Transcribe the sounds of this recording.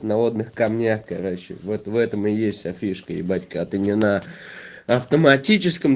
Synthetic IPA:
nɐo̞d̪nɨxkɐmnʲaxkɐɾoɕːɪ̰vɛt̪vɛt̪əmɪjesʲtʲɐfʲiʂkəɪ̰batʲkəɐt̪ɨnʲɪna | ɐft̪əmɐtʲit͡ɕɪskəm

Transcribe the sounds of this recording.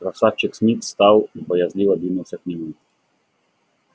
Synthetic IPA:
ɾasat͡ʃɛksnʲit̪st̪awibɔjazʲlʲivad̪ʲinuwsʲaknʲɛmu

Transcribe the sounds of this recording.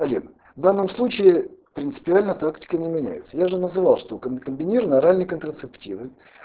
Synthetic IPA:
ɐlʲin | vd̪anːəmslˠut͡ɕɪɪpɾʲɪnt̪sɨ̥pʲɪalʲnət̪aktʲɪ̥kənʲɪmʲɪnʲæ̰jɪt̪sə̥jaʐɨnəzɨvalˠʂt̪okəkəmʲbʲɪnʲiɾvnɐɾalʲnəjkənt̪ɾət̪sɨptʲivɨ

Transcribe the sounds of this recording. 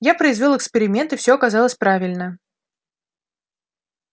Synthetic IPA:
japɾəɪzvʲo̞lˠəkspʲɪɾʲɪmʲe̞nt̪ɨfsʲoɐkɐzɑlˠəsʲpɾavʲɪlʲnə

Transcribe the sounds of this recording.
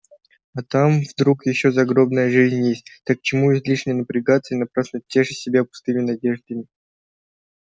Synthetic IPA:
ɐt̪amvd̪ɾukjɪɕːozɐɡɾo̞bnəjəʐɨzʲnʲjesʲt̚ʲt̪akːt͡ɕɪmuizʲlʲiʂnʲɪjənəpɾʲɪɡat̪sɨjinɐpɾasnʲʊt̪̚tʲːeʐɨsʲɪbʲapʊ̥st̪ɨmʲɪnɐdʲe̞ʐd̪əmʲɪ

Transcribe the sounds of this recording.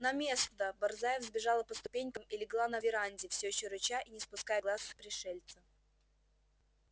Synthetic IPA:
nɐmʲesnəbɐrzajɪfzbʲɪʐalˠəpəst̪ʊpʲenʲkəmɪlʲɪɡlˠanɐvʲɪɾanʲdʲɪfsʲoɕːoɾʊt͡ɕaʔinʲɪspʊskajəɡlˠaspɾʲɪʂɛlʲt̪sə

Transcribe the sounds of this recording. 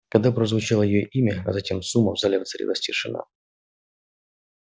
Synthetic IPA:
kɐɡd̪apɾəzvʊt͡ɕalˠəjɪjoʔimʲəɐ̰zɐtʲemsumːəvzalʲɪvt̪sɐɾʲḛvəsʲtʲɪʂɨna̰

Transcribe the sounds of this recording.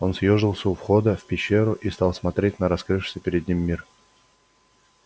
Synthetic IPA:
o̞nsʲjoʐɨlˠsʲəʊfxo̞d̪əfpʲɪɕːe̞ɾʊʔist̪ɑlˠsmɐt̪ɾʲet̚ʲnəɾɐskɾɨʂɨ̥sʲəpʲɪɾʲɪd̪ʲnʲimʲːir

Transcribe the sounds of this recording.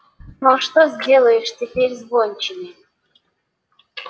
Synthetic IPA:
noʂt̪ozʲdʲelˠəjɪʂtʲɪpʲeɾʲzbonʲt͡ɕɪmʲɪ

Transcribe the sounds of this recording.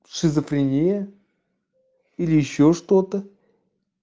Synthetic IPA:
ʂɨzəfɾʲɪnʲejə | ilʲɪjɪɕːoʂt̪ot̪ə

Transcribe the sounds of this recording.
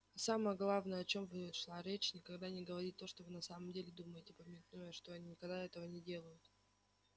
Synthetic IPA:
saməjəɡlˠavnəjəɐt͡ɕo̞mvɨʂlˠaɾʲet͡ɕnʲɪkɐɡd̪anʲɪɡəvɐɾit̚ʲt̪ːo̞ʂt̪ovɨnɐsaməmdʲelʲɪd̪uməjɪtʲɪpəmʲɪt̪nujəʂt̪o̞ɐnʲinʲɪkɐɡd̪aɛt̪əvənʲɪdʲe̞lˠəjʊt̪

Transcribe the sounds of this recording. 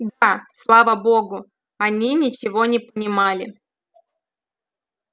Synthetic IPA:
d̪aslˠavəboɡʊ | anʲinʲɪt͡ɕɪvonʲɪpənʲɪmalʲɪ

